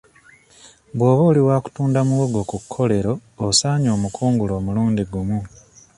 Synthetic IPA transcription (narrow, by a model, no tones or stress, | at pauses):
βwo̞ːβoːliwaːku̥tuːndamuwoɡo̞kukʰːo̞le̞ɾo̞ːsaːɲo̞ːmukʰuːŋɡulo̞ːmuluːndiɡumu